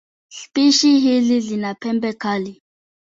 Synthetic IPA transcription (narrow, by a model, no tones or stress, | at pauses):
ɬpiʃiɦiɮiɮinapʰɛmbɛkali